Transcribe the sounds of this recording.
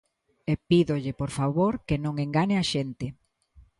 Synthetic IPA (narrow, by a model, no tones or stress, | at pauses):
epiðoʎɪpoɾfaβoɾkenõŋeŋɡaɲeaʃent̪ɪ